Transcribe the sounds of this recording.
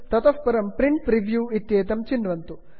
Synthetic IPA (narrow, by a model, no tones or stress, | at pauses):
t̪ɐt̪ɐfpɐɾɐmpɾiɳʈ̚pɾiʋjuːit̪jeːt̪ɐmt͡ʃinɖʋɐnt̪u